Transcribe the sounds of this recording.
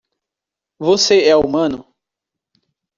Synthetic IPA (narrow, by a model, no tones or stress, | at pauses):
voseɛumɐ̃nʊ